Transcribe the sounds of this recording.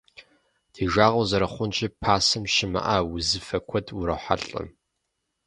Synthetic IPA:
d̥ʰiːʒaːʁɐwzɐɾɐχʷʊnt͡ʃʼɪpʰaːsɨmʃɪmɐ̰ʔawʊzɨfɐkʷʰɔdʰʊɾɐħʷa̰ɬʼɨ̰m

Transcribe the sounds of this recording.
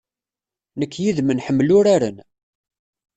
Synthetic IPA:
nəkːjiðmənħəmːlʊɾaɾə̰n

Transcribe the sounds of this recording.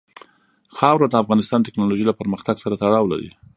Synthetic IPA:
xɑwɾad̪əafɣɑnɪst̪ɑnʈɪknɑloʒilapəɾməxt̪aɡsaɾat̪aɽɑwla̰ɾḭ

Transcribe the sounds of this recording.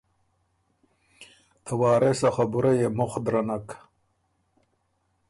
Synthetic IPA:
t̪ʰawɑːɾesaxabuɾajemʊχd̪ɾanak

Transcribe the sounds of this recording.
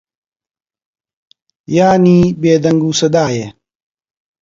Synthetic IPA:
jaːniːbeːd̪ɐŋɡuːsɐd̪aːje

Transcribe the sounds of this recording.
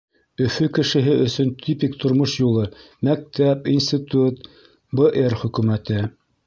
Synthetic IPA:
ɵ̆fɵkɘ̆ʃɘ̆ɦɘʔɵ̆sɵnt̪ʲʰypikt̪ʰŏɾmoʃjulˠɤ | mæk̚t̪æpinsʲt̪it̪ut̪ | bəʔerχɵ̆kʉmæt̪ɘ

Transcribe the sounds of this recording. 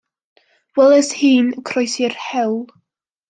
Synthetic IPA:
wɛlˠɛshiːnəkʰrɔjsɪrhɛwlˠ

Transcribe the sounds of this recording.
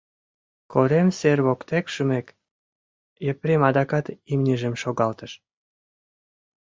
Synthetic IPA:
koɾemserβokt̪ekʃymek | jepɾemɑd̪ɑkɑt̪imnʲiʒəmʃoɣɑlt̪əʃ

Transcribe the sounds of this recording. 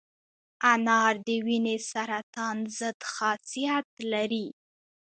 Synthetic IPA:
anɑɾd̪əwinesaɾat̪ɑnzəd̪xɑsijat̪laɾi

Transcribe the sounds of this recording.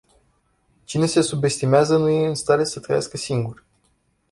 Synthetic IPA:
t͡ʃine̞se̞sube̞st̪imeazənuje̞ɨnst̪aɾe̞sət̪ɾəjaskəsiŋɡur

